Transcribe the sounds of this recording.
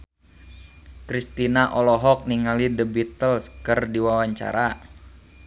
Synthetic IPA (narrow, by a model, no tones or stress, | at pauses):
kɾist̪inaʔɔlɔɦɔk̚niŋalidəbit̪əlskərdiwawaɲt͡ʃa̰ɾa